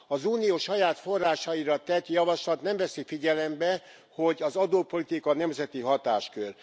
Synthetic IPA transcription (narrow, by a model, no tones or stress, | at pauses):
ɒzuːnijoːʃɒjaːt̪fo̞rːaːʃɒiɾɒt̪ɛt̪jɒvɒʃlɒt̪nɛɱvɛsifiɟɛlɛmbɛ | ho̞ɟɒzɒd̪oːpo̞lit̪ikɒnɛmzɛt̪iɦɒt̪aːʃkør